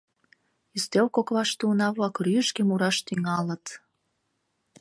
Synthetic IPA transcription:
yst̪ewkokβɑʃt̪unɑβlɑkryəʃkemuɾɑʃt̪yŋɑlə̆t̪

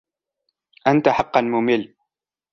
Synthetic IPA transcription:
ʔant̪aħɑqːɑnmʊmɪlː

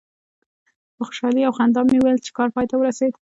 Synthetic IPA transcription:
pəxʊ̥ʃɑliawxand̪ɑmːewelt͡ʃe̥kɑɾpɑjt̪awəɾased̪

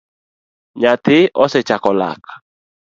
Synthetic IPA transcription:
ɲatɪʔɔsɛt͡ʃakɔla̰kʰḁ

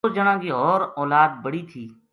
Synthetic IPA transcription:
d͡ʒəɽ̃ãːɡiɔːɾɔːlaːd̪bəɽiːt̪ʰiː

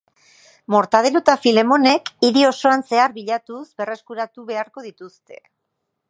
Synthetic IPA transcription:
mo̞ɾt̪að̞eɾot̪afile̞mo̞ne̞kiɾio̞so̞anse̞aɾβiʎat̪usbe̞re̞skuɾat̪uβe̞aɾko̞ðit̪ust̪e̞

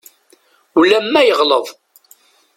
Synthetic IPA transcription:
ulːæmːæjəʁləðˤ

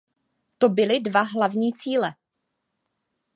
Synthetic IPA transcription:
t̪o̞bɪlɪdvaɦlavɲiːt͡siːlɛ

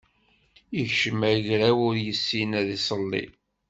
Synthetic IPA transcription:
iʝʃəmæʝɾæwʊɾjəsːinæðisˤəlːḭ

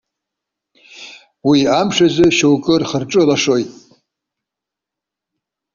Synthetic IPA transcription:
wiamʂazɨʃowkʼɨrχərʈ͡ʂʼɨlaʂo̞jtʼ

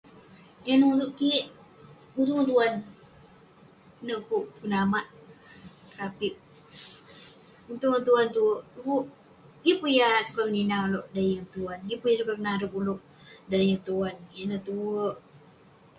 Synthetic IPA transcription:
anuutuʔkiʔ | ut̪unt̪uan | nəkuʔpunamaʔ | kapiʔ̚ | t̪uant̪uant̪uəʔt̪uəʔ | ɡipujasu̥kakəninaloʔdajəŋt̪uanipujasukakənaɾəpuluʔ̚ | dajəŋt̪uankiʔnət̪uəʔ

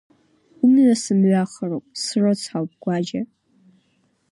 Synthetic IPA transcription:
umʕasɨmɥʷaχərowpʼsrot͡sʰħawp̚ʼɡ̥ʷad͡ʒa

